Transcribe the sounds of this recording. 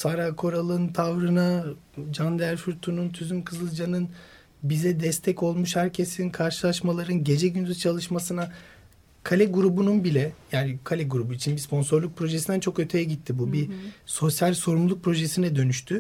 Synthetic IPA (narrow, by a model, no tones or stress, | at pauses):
saɾakʰo̞ɾalˠɯnt̪ʰavɾɯna | d͡ʒand̪æɾfuɾt̪ʰununt̪ʰyzymkʰɯzɯlˠd͡ʒanɯn | bizɛd̪ɛst̪ʰɛco̞lˠmuʃhæɾcʰe̞sinkʰaɾʃɯlˠaʃmalˠaɾɯnɟe̞d͡ʒɛɟynd̪yzt͡ʃʰalˠɯʃmasɯna | kʰalʲɛɡuɾubununbilʲɛjaːnikʰalʲɛɡuɾubuit͡ʃʰinbispʰo̞nso̞ɾlˠuk̚pʰɾo̞ʒesind̪ænt͡ʃʰo̞kø̞t̪ʰe̞jɛɟit̪ʰːibubiso̞sjalʲso̞ɾumlˠuk̚pʰɾo̞ʒesinɛd̪ø̞nyʃt̪ʰy